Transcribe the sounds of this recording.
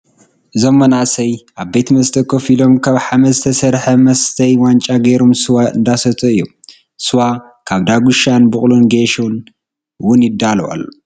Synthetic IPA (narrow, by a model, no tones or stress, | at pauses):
ʔɨzomːɐnaʔsɐjʔaβbet̪ʰmɐst̪ʰɐkʰofilo̞mkʰaβħamɐzɨt̪ʰɐsɐɾħɐmɐst̪ʰɐjwant͡ʃʼaɡɐjɾomsɨwaɨ̰nd̪asɐt̪ʰʼoɨjːum | sɨwa | kʰaβd̪aɡuʃanbɨχʼlunɡeʃun | wʊnjɪd̪ːalowa̰lːo